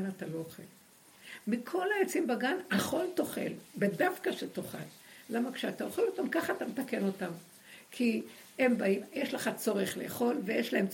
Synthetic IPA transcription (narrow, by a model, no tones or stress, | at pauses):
natalo̞oχḛl | mikʰo̞lajet͡simbaɡanaχo̞lto̞χḛlbedafkaʃetoχa̰lː | amakʃeat̪ao̞χelo̞tamkaχaːt̪ametake̞no̞tam | kʰi | e̞mbaimjeʃleχat͡so̞ʁeχleːχo̞lvejeʃlae̞mt͡s